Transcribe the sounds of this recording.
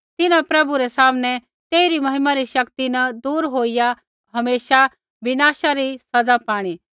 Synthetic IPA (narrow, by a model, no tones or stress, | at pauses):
t̪ɪnãpɾɐbuɾɛsaːmnɛ | t̪eːiɾimɐɦɪmaɾiʃɐkt̪inɐd̪uːɾɦoːija | ɦɐmeːʃa | bɪnaːʃaɾisɐd͡zapaːɽ̃i